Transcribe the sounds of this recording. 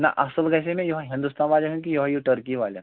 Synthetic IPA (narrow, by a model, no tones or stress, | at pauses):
na̰ʔəsəlɡajs̬emẽjoɦaɦĩnd̪ust̪anʋalekənk̬ijoɦajuʈəɾkiʋalja̰